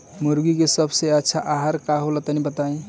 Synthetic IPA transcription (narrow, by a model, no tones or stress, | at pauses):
muɾɡikesəbʱseətːʃʰaʔaɦaɾkaɦolət̪ənibət̪aĩ